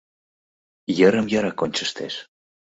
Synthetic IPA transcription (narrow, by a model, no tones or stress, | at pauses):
jəɾəmjaɾakonʲt͡ʃəst̪ḛʃ